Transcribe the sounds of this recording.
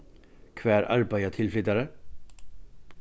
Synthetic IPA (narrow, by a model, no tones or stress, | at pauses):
kʰvæːɾʔa̰ɾbajat̪ʰɪlflʏt̪ːaɾə